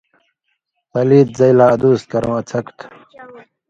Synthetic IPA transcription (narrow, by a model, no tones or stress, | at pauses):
pɐliːt̪̚zɐilaːɐd̪uːs̚kɐɾõːɐt͡sʰɐkt̪ʰ